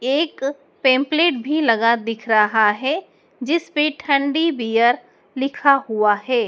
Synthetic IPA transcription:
eːk | pẽːmpleːʈ̚bʱilɐɡad̪ɪkʰɾɐɦaɦɛ | d͡ʒɪspeʈʰɐ̃ɳɖibiːjəɾ | lɪkʰaɦuaɦɛː

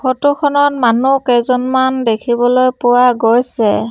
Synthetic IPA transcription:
kʰɔtukʰɔnɔtmanukɛzɔnmandekʰibɔlojpʊwaɡojsɛ

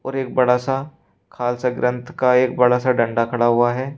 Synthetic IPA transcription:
ɔːɾeːk̚bɐɽasa | kʰaːlsaɡɾə̃nt̪ʰkaeːk̚bɐɽasaɖɐ̃ɳɖakʰɐɽaɦʊaɦɛː

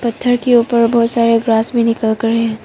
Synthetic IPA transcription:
pɐt̪ʰːəɾkeuːpəɾbɔːt̪saːɾeɡɾaːsmẽnɪkəlkɐɾeɦɛ̃ː

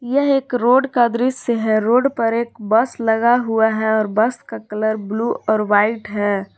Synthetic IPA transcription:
jɐɦeːkɾoːɖkad̪ɾɪsseɦɛ̃ɾoːɖpɐɾeːkbɐslɐɡaɦuaɦɛɔːɾbɐskakɐləɾbluːʔɔːɾʋaːɪʈɦɛː

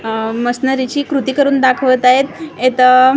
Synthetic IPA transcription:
məsnəɾit͡ɕiːkɾut̪iːkəɾuːnd̪akʰʋət̪aɦet̪et̪ə

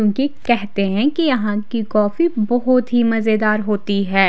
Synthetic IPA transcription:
õːkikɛɦt̪eɦɛ̃kijɐɦãkikɔːfibɔɦʊt̪ɦimɐzed̪aːɾɦoːt̪iɦɛː

